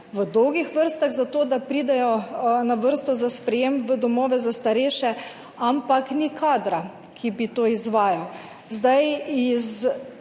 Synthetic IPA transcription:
ʋəd̪ɔwɡixʋəɾst̪aɣzat̪oːd̪apɾiːd̪ɛjɔnaʋəɾst̪ɔzaspɾɛjemʋəd̪ɔmɔːʋɛzast̪aɾɛːʃɛ | ampaknikʰaːd̪ɾa | kʰibit̪oːizʋaːjaw | zd̪ajiz

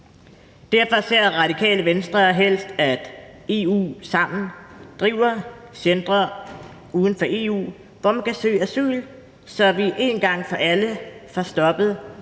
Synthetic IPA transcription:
d̥æɐ̰fɒ̽se̝ɐ̰ʁɑ̈d̥ikʰɛ̰ːləʋensd̥ʁɐɦel̰sd̥æd̥e̝ṵːsɑ̈m̰n̩d̥ʁiːʊ̰ɐsend̥ʁɐ | uːð̞ˠn̩fɒ̽ʔe̝ːṵː | ʋɒmænkʰæsø̰ːæsy̰ːl | sɒ̽ʋiʔe̝nɡ̥ɑ̈ŋ̰fɒ̽ʔæləfɒsd̥ɒ̽b̥əð̩ˠ

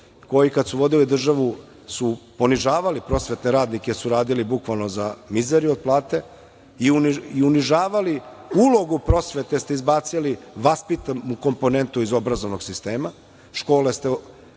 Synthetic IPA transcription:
ko̞jikad̪suʋo̞d̪ilid̪r̩ʒaʋu | supo̞niʒaːʋalipɾo̞sʋe̞t̪neɾaːd̪nike̞suɾaːd̪ilibukʋalˠno̞zamizeɾio̞d̪̚plˠaːt̪e̞ | iuiuniʒaːʋali | ulˠo̞ɡupɾo̞sʋe̞t̪e̞st̪eizbaːt̪siliʋaspit̪amuko̞mpo̞ne̞nt̪uizo̞bɾazoʋno̞ɡsist̪e̞ːma | ʃko̞ːlest̪e

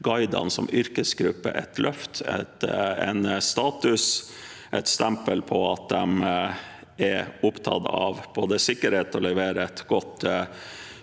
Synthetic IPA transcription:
ɡɑɪd̪ɑ̰nsɔ̰mʏɾkəsɡɾʉpːə̰ʔɛ̰t̪lʔœft̪ɛ̰t̪ɛ̰nst̪ɑːt̪ʉs | ʔɛt̪st̪ɛmpəlpʰɔɑt̪̚d̪ɛm | ɛɾʊpt̪ʰɑ̰d̪ɑ̰ʋb̥oːd̪əsɪkːəɾheːt̪ɔlɛʋeːɾəɛt̪ɡɔt̪ː

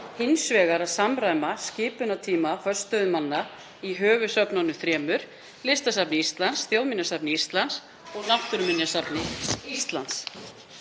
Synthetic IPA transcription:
hɪnsvɛːɣaɾaðsamɾaːjmascɪːpʏnat̪ʰiːmafœ̥st̪œðʏmanːa | iɦœːvʏsœpnɔnːʏθɾɛːmʏɾ̥ | lɪst̪as̬apnɪist̪lansθjowðmɪnjasapnɪist̪lans | ɔɣnaht̪ʏɾmɪnjasapnɪist̪la̰ns

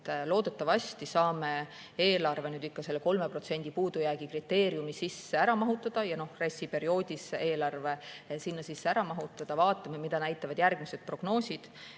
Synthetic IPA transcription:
t̪lo̞ːd̪̥e̞t̪ːɑvɑsʲt̪isɑːme̞ | e̞ːlɑrve̞nyːd̪ikːɑse̞lːeko̞lme̞pro̞t̪se̞nʲd̪̥ipuːd̪ujæːɡ̥ikrit̪ːe̞ːɾiumisisːeæɾɑmɑɦut̪ːˑɑd̪̥ɑjɑno̞hresʲːipe̞ɾio̞ːd̪̥ʲiseʔe̞ːlɑrve̞sinːɑsisːeæɾɑmɑɦut̪ːˑɑd̪̥ɑvɑːt̪ːˑɑmemid̪̥ɑnæjt̪ːˑɑvɑd̪jærɡmise̞d̪̥̚pro̞ɡ̥no̞ːsʲid̪̥

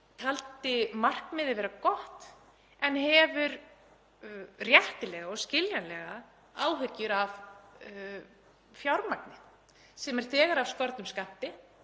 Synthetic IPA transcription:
t̪ʰalt̪ɪmar̥kmɪðɪvɛːɾakɔht̪ | ɛnhɛvʏɾ | rjɛht̪ɪlɛɣaɔscɪljanlɛɣa | aːwɦʏcːʏɾav | fjawɾmaknɪ | sɛmɛɾ̥θɛːɣaɾavskɔɾt̪nʏmskam̥t̪ɪ

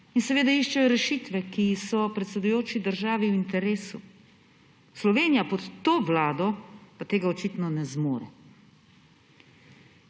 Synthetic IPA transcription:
insɛʋeːd̪aiʃt͡ʃɛjɔɾɛʃiːt̪ʋɛkisɔpɾɛt̪sɛd̪ujoːt͡ʃid̪əɾʒaːʋiwint̪ɛɾeːsu | slɔʋeːnijapɔt̪ːoːʋlaːd̪ɔpat̪eːɡaɔt͡ʃit̪nɔnɛzmoːɾɛ̰

